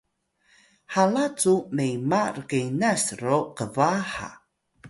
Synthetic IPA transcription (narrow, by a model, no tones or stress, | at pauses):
halat͡sumejmarkejnasroqəvaħa̰